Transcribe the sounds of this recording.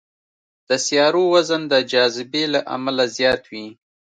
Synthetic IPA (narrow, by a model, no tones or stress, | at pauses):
d̪̥əsjɑɾowazənd̪əd͡ʒɑzɪbelaʔa̰malazjɑt̪wi